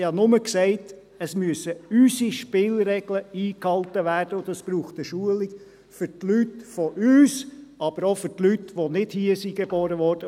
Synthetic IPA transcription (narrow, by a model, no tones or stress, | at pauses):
hɑnʊməksɛɪt | əsmyəsəysiʃpɪːlɾɛɡ̥ləiːkhɑltəʋæːrd̥əʊd̥̪ɑsb̥ɾuːχtəʃuəliɡ | fʏɾtlytfɔʔyːsɑb̥əɾofʏɾtlytʋonɪd̥hiəsiɡebɔːɾəʋɔɾd̥ə